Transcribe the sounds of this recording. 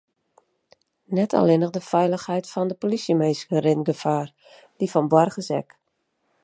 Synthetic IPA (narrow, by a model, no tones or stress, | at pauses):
nɛtʰa̰lɪnəɣdəfɛjləxhɛjtfɔndəpolisəmeːsɡərɪnɡəfaːr | d̥ifɔnbwɔrɣəsɛ̰k